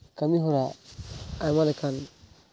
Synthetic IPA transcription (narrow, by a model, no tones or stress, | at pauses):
kamiɦuɾaamalekan